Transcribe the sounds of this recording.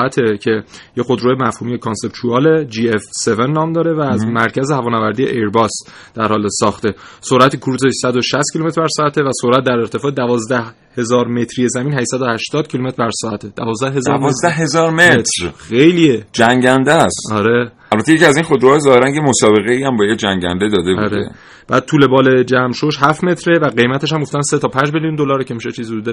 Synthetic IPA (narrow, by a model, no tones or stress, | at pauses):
ʔæt̪ʰe̞cʰe̞jexod̪ɾoːjemæfhuːmijekʰonse̞pt̪ʰuɒːled͡ʒiːefse̞venːɒːmd̪ɒːɾe̞væːzmæɾcʰæzehævɒːnævæɾd̪ijḛʔeɾbɒːs | d̪̥æɾhɒːlesɒːxt̪e̞soɾæt̪ʰikʰuɾuːzesæd̪oʃæst̪kcʰilumet̪ɾbæɾsɒːæt̪ʰe̞væsoɾæt̪̚d̪æɾe̞ɾt̪ʰe̞fɒːed̪ævɒːzd̪æh | he̞zɒːɾme̞t̪ʰɾije̞zæmiːnhæʃsæd̪ohæʃt̪ɒːd̪̥̚cʰilumet̪ɾbæɾsɒːæt̪ʰe̞d̪̥ævɒːzd̪æɦe̞zɒːɾvɒzd̪æhɦezɒːɾmet̪ɾxejlied͡ʒæŋɟænd̪æsɒɾe̞ | ælbæt̪ʰːejecʰiæzinχod̪ɾohɒːjezɒːheɾæŋɟemosɒːbe̞ɣeiːæmbɒːjekd͡ʒæŋɟæ̰nd̪ed̪ɒːd̪ebɒuɾḛḛ | b̥æ̰ːd̪̚t̪ʰuːle̞bɒːle̞d͡ʒæmʃoʃɦæft̪me̞t̪ʰɾe̞væɡe̞jmæt̪ʰe̞ʃ̬hæmɡo̞ft̪ænset̪ʰɒːpʰænd͡ʒmelijund̪olɒːɾecʰemiʃet͡ʃʰiːzud̪uːd̪e